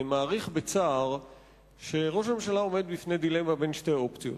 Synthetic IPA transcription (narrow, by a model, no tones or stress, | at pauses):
maːʁiχbet͡saːʁ | ʃe̞ʁo̞ʃameʃalao̞me̞d̪bifne̞jd̪ilemabe̞nʃte̞o̞pt͡sijo̞̰t